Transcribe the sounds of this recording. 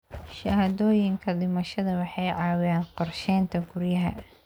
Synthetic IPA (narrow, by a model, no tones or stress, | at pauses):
ʃɐhɐd̪ɔːjɪŋkʰɐdɪmɐʃɐðɐwɑħɑjʕɑːwɪjaːnqɔrʃɛːnt̪ʰɐɡʊrjɐɦɐ̰